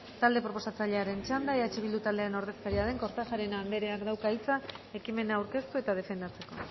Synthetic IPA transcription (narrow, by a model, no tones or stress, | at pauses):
t̪ald̪e̞pɾo̞p̬o̞sat͡saʎe̞aɾe̞nt͡ʃand̪aeðat͡ʃiβild̪ut̪ald̪eaɾeno̞ɾð̞e̞skaɾiaðe̞ŋko̞ɾt̪afaɾe̞nand̪e̞ɾe̞akd̪awkaijt͡sae̞kime̞naːwɾke̞st̪ue̞t̪að̞e̞fe̞nd̪at͡se̞ko̞̰